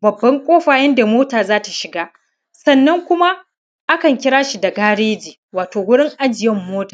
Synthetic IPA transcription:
bɐ˨bːɐ˦ŋkʷʼoː˦ɸaː˨jɐ˦nda˨moː˦taː˨zaː˦ta˨ʃɪ˨ɡaː˦ | sɐ˦nːɐ˦ŋkʷʊ˦ma˦ | ʔa˦kɐ˨ŋkʲɪ˦ɾaː˦ʃi˨da˨ɡaː˦ɽeː˦d͡ʒiː˨waː˨toː˨wʊ˦ɽɪ˦ŋʔa˦d͡ʒɪ˨jɛ˦mːoː˦taː˨

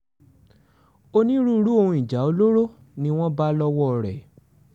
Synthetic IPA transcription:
o˧nĩ˦ɾu˦˧˦ɾu˦o˧hũ˧i˨d͡ʒa˨˦o˧˦lo˦ɾo˦ | nĩ˧w̃ɔ̃˦ba˦lɔ˦wɔ˦˨ɾɛ̰˨

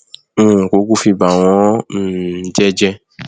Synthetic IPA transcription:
ko˨˦ɡu˦fi˧ba˨w̃ɔ̃˨˦˨ | d͡ʒɛ˦d͡ʒɛ˧

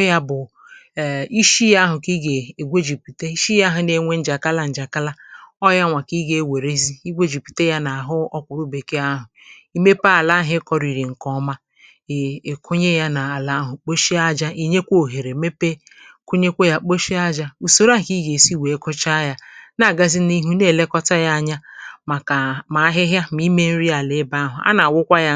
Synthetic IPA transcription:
ja˦bʊ˨ | i˦ʃi˦ja˦ɦʊ˨ki˦ɡe˨e˨ɡʷe˦d͡ʒi˨pi˨te˦i˦ʃi˦ja˦ɦʊ˨ne˨ŋʷe˦n̩˦d͡ʒa˨ka˦la˦n̩˨d͡ʒa˨ka˦la˦ɔ˦ja˦ŋʷa˨ki˦ɡe˦we˨ɾe˦zi˦i˦ɡʷe˦d͡ʒi˨pi̥˨te˦ja˦na˨a˨ɦʊ˦ɔ˦kʷʊ˨ɾu˦be˨ke˦a˦ɦʊ˨i˦me˦pa˦a˨la˦ɦɪ˦kɔ˦ɾi˨ɾi˨ŋ̩˨kɔ˦ma˦˨ | kʰo˦ɲe˦ja˦na˨a˨la˦ɦʊ˨k͡po˦ʃi˦a˦d͡ʒa˦i˦ɲe˦kʷo˦˨ɦe˨ɾe˨me˦pe˦ | ko˦ɲe˦kʷo˦ja˨k͡po˦ʃi˦a˦d͡ʒa˦u˨so˦ɾa˦˨ki˦ɡe˨si˦we˨e˦ko˦t͡ʃa˦ja˦na˨ɡa˦zi˦ni˦ɦu˦ne˦˨le˦kɔ˦ta˦ja˦a˦ɲa˦˨ | a˨ma˨˦ɦɪ˦ɦja˦mi˦me˦n̩˦ɾi˦a˨lɪ˨˦ba˦ɦʊ˨a̰˦na˨wʊ˦kʷa˦ja˦

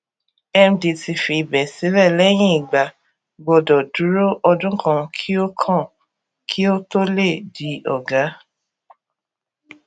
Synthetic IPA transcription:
ɛ˧mdi˧ti˧fi˧˨bɛ˨si˨˦ɾɛ˦˨lɛ˦j̃ĩ˦i˨ɡ͡ba˨ | ɡ͡bɔ˧dɔ˨du˨˦ɾo˦ʔɔ˧dũ˦kʰã˧kʰi˦o˦kʰã˦˨ | kʰi˦o˦to˦le˦˨di˨˦ɔ˨ɡa˨˦

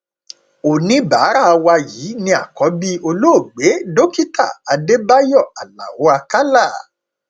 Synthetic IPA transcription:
o˨nĩ˨˦ba˨˦ɾa˦˨˧wa˧jiː˨˦nĩ˧a̰˨kɔ˨˦bi˦o˧lo˦o˦˨ɡ͡be˨˦do˦ki˦ta̰˦˨a˧de˦ba˦jɔ˦˨a˨lã̰˨wo˨˦a˧ka˦la˦˨

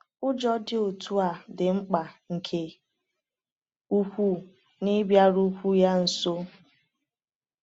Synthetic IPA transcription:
ʊ˦d͡ʒɔ˦dɪ˦o˨tʰu˦a˨dɪ˨ŋ͡m̩˦k͡pa˨ŋ̩˨kʰe˨ | u˦hʷu˦ | nɪ˦bja˦ɾu˦kʷu˦ja˦n̩˨so˦

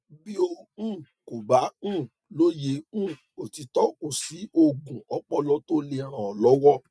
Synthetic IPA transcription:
bi˦o˧ũ˦˨ | ko˨bã˨˦˨ | lo˦jẽ˨˦˨ | o˨ti˧˦tɔ˨˦ko˦˨si˨˦ʔo˧ɡũ˨ɔ˨˦k͡pɔ˦˨lɔ˦to˦le˧ã˨ã˨ɔ˨lɔ˨˦wɔ˦

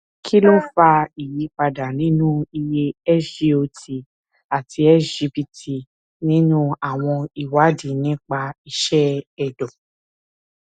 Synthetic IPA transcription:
kʰi˦lõ˦fa˧i˨ji˨˦k͡pa˧da˨nĩ˦nũ˦i˧je˧ɛ˦ʃi˦o˧ti˨ | a˨tʰi˧ɛ˦d͡ʒi˧pi˧ti˨ | nĩ˦nũ˦a˨w̃ɔ̃˧i˨wa˨˦dĩ˨nĩ˦k͡pa˧i˧ʃɛ˦ɛ˨dɔ̃˨

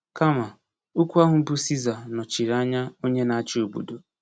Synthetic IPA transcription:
ka˦ma˨ | u˦kʷu˦a˦ɦʊ˨m̩˦bu˦si˦za˨nɔ˨t͡ʃi˨ɾa˦ɲa˦o˦ɲe˦na˨a˦t͡ʃɪ˦o˨bṵ˨do˨

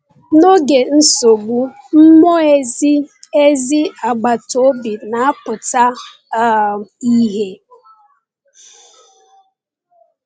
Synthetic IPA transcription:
no˦ɡe˨n̩˦so˨ɡ͡bu˦ | m̩˦mɔ˦ | e˦zi˦a˨ɡ͡ba˨to˨˦bi˨na˨a˦pʊ˨ta˦ | i˦ɦe˦

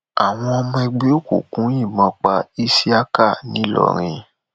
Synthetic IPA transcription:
a˨w̃ɔ̃˧ɔ˧mɔ̃˧ɛ˧ɡ͡be˦o˦˨kṵ˨kũ˨˦jĩ˦˨mã˨˧k͡pa˧i˦si˦a˦ka˦˨nĩ˨˦lɔ̰˦˨ɾ̃ĩ˧

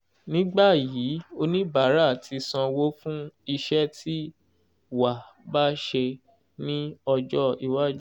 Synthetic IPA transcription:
nĩ˨˦ɡ͡ba˦˨ji˨˦o˧nĩ˦ba˨˦ɾa˦˨tʰi˧sã˧wo˦fũ˦i˧ʃɛ˦tʰi˦ | wa˨ba˦ʃe˧ | nĩ˦ɔ˧d͡ʒɔ˦i˨wa˦˨d͡ʒ

